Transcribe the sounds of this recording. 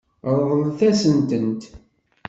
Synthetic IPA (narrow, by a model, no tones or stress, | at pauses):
ɾˤðˤəlθæsənt̪ənt̪